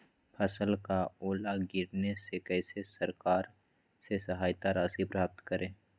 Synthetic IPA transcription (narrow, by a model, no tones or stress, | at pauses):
pʰɐsəlkaoːlaɡɪɾnesekɛːsesəɾkaːɾ | sesəɦaːjt̪aɾaːsipɾaːp̚t̪kəɾẽː